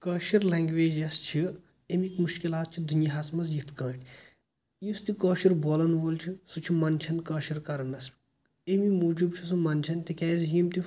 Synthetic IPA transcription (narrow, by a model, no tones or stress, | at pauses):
kɐːʃiɾlɛːŋɡʋeːd͡ʒɐst͡ʃʰi | emikmuʃkilaːt̪̚t͡ʃʰid̪unʲjɐɦɐsmɐzjit̪ʰkɐ̃ːʈʰʲ | just̪ikɐːʃiɾboːlɐnʋoːlt͡ʃʰisut͡ʃʰimɐnt͡ʃʰɐnkɐːʃiɾkɐɾɐnɐs | emimud͡ʒub̚t͡ʃʰisumɐnʲt͡ʃʰɐnt̪ikɛːzɦimt̪i